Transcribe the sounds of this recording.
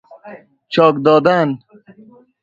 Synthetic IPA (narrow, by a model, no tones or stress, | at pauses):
t͡ʃɔːkd̪ɔːd̪an